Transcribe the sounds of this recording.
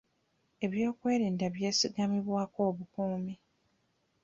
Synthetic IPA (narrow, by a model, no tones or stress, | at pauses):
e̞βjo̞ːkwe̞ːɾiːndaβje̞ːsiɡamiβwaːko̞ːβukuːmi